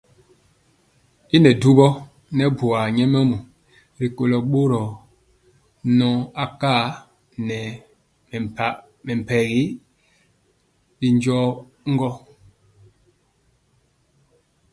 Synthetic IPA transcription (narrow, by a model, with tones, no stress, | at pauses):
i˦nɛ˨du˦bɔ˦ | nɛ˦bu˨a˨ɲɛ˦mɛ˦mu˨ | ɾi˨ko˨lɔ˨ɓo˦ɾɔ˨ | nɔ̃˦a˦ka˦ | nɛ˨ | mɛ˨m˨pɛ˨ɣi˦ | bi˨ɲd͡ʒɔ˦ | ŋ˦ɡɔ˦